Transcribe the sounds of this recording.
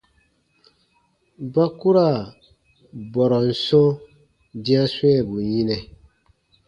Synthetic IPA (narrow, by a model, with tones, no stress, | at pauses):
ba˦ku˦ɾa˦˨ | bɔ˨ɾɔ˨n̩˨so˦ | dĩ˦ã˦swɛ˦˨bu˨ɲĩ˦nɛ˨